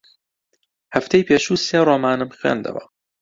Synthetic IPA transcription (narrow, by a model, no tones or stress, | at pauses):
hæft̪ejpʰeːʃuːseːɾoːmaːnɨmxwḛːnd̪ɐ̰wɐ̰